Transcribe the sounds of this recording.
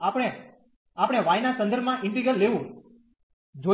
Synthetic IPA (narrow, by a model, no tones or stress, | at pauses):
apɽ̃e | apɽ̃eʋajnasə̃nd̪ʱəɾbmãʔɪ̃ɳʈiɡɾəlːeʋũ | d͡ʒo